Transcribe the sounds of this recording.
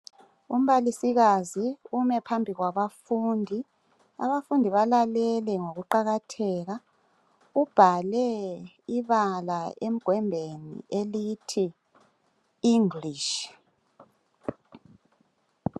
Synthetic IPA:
um̩βalisiɣaziumɛpʰambʱiɣwaβafuːndʱi | a̰βafundʱiβalalɛlɛŋoɣuǃaɣatʰɛːɣa | ub̥ʱalɛ | iβalaem̩ɡ̥ʱwɛmbʱenḭelitʰi | iŋliʃ

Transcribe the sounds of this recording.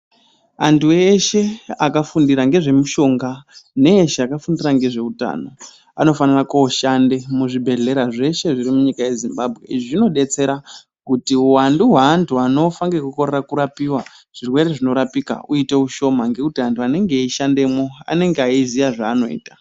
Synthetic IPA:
antʰue̞ʃe̞akafundiɾaŋɡe̞ʐe̞muʃo̞ŋɡane̞ːʃeakafundiraŋɡe̞ʐe̞uta̰ːno̞ | ano̞fanirakoːʃande̞muʐibʱe̞ɮe̞ɾaʐe̞ʃe̞ʐirimuɲikaje̞zimbabʱɣe̞̰ʐʐino̞ɗe̞t͡se̞ɾa | kutiuwanduɦaːntʰuano̞faŋɡekuko̞rerakuɾapiwa | ʐ̥irwe̞ɾe̞ʐino̞ɾapika̰uite̞uʃo̞maŋɡe̞kutiantʰuane̞ŋɡe̞iʃande̞mo̞a̰ne̞ŋɡeaizijaʐaːno̞̰ḭːtḁ

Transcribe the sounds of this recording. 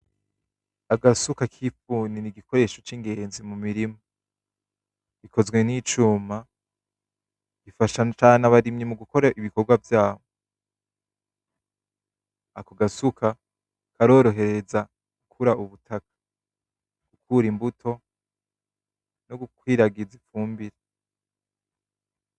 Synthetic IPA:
aɡasukakʰifuːniniɡiko̞ɾe̞ːʃo̞t͡ʃiŋɡe̞ːnzimumiɾimo | ɡ̥ikʰo̞zɡwe̞nit͡ʃuːma | ɡ̥ifaʃat͡ʃaːnaβaɾimɲimuɡuko̞ɾaʔiβikoɾɡwavjaːβo | akoɡasukʰa | kʰaɾo̞ːɾo̞ɦe̞ɾe̞za | ɡ̥ukʰuɾaʔuβutʰakḁ | ɡ̥ukʰuːɾimbutʰo̞ | noɡukwiːɾaɡizifuːmbiɾe

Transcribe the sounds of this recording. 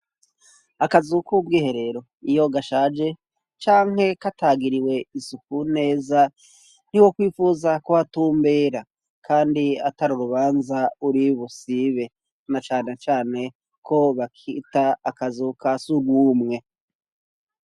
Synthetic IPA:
akazukubɡiːhe̞ɾe̞ɾo̞ | ijo̞ɡaʃaːd͡ʒe̞ | t͡ʃaːŋɦhe̞kataɡiɾiwe̞isukune̞ːza | n̥iwo̞kwiːfuzakohatuːmbeːɾa | kʰaːndiataɾuɾuβaːnzauɾiβusiβe̞ | nat͡ʃaːne̞t͡ʃaːne̞ | kʰo̞βakʰitaːkazukasuɾɡwuːmŋe̞

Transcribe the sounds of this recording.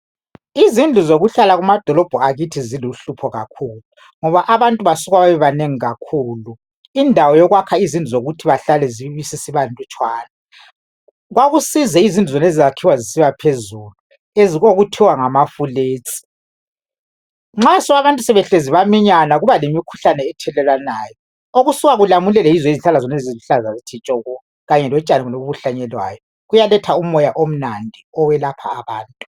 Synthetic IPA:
izind͡ɮʱuzoɣuɬalaɣumad̥ʱɔlɔb̥ʱɔaɣitʰiziluɬupʰɔɣa̰kʰuːlu | ŋɔβaʔaβantʼuβasuɣwaβaβɛβaneŋiɣakʰuːlu | indʱawɔjɔɣwakʰaizind͡ɮʱuzoɣutʰiβaɬalɛziβisisiβantʼut͡ʃʼwaːna | ɣwaɣusizɛizindʱuzɛnezizakʰiwazisiβapʰezulu | eziɣoɣutʰiwaŋamafuleːt͡sʼi̥ | ŋ͡ǁasɔɣaβantʼusɛβɛɬeziβamiɲanaɣuβalemikʰu̥ɬanɛːtʰɛlɛlwanaːjɔ | oɣusuɣaɣulamulɛlɛizwɛiziɬalazɔnɛziziɬazazitʰit͡ʃʼɔɣɔ | ɣaɲɛlɔt͡ʃʼaniɣunoɣuβuɬaɲɛlwa̰ːjɔ | ɣujalɛtʰaumɔjaʔom̩nandʱiɔwɛlapʰa̰ːβaːntʼu

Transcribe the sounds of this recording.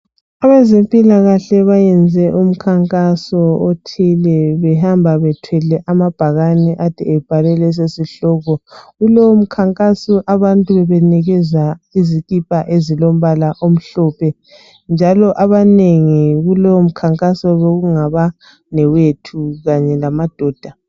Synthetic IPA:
aβɛzempʼilaɣaɬɛβajɛnd͡zʱɛʔum̩kʰaŋkʼasɔotʰilɛβɛɦambʱaβɛtʰwɛlɛʔamab̥ʱaɣanɛʔatʰiɛb̥ʱalɛlɛs̬esiɬɔːɣɔɣulowm̩kʰaŋkʼasɔʔaβantʼuβɛβɛnɛɣɛzaiziɣʼipʼaʔezilom̩βalaʔom̩ɬɔpʰɛ | nd͡ʒʱalɔʔaβaneŋiɣulowom̩kʰaŋkʼasɔβeɣuŋaβa | nɛwetʰuɣaɲɛlamad̥ʱɔːd̥ʱa

